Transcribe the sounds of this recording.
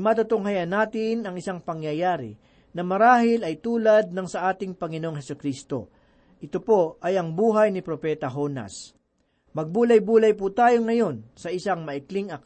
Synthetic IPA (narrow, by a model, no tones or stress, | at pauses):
mat̪ʊt̪oŋɦɐjɐnaːt̪ɪnɐŋɪsaŋpɐŋjɐjaːɾɪ̰ | nɐmɐɾaːɦɪlɐjt̪uːlɐd̪̚nɐŋsɐʔaːt̪ɪŋpɐŋɪnoʔoŋɦɛsʊkɾist̪o̰ | ʔɪt̪opo̞ʔɐjɐŋbuːɦɐjnɪpɾopɛːt̪ɐɦo̞nɐ̰s | mɐɡ̚buːlɐjbuːlɐjput̪aːjo̞ŋɐjo̞nsɐʔɪsaŋmɐʔɪkliŋɐk